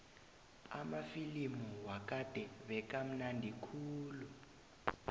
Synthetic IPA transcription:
amafilimuwak̬ʼad̥ʱɛβɛk̬ʼam̩nandʱikʰuːlu

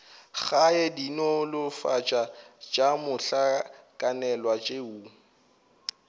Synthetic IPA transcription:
ɣaɛdinɔlʊfat͡ʃʼat͡ʃʼamʊɬakʼanɛlwat͡ʃʼeu

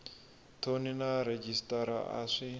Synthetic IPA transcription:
t̪ʰoːnɪnaːɾɛd͡ʒɪst̪aɾa̰ːʔa̰se

